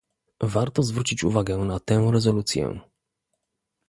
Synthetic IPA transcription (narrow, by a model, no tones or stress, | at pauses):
vaɾt̪ɔzvɾut͡ɕit͡ɕṵvaɡɛnat̪ɛ̃w̃ɾɛzɔlut̪sʲjɛ̰